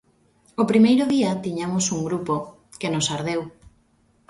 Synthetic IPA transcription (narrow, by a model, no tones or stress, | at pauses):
opɾimejɾoðiɐt̪iɲamosuŋɡɾupo | kenosaɾðew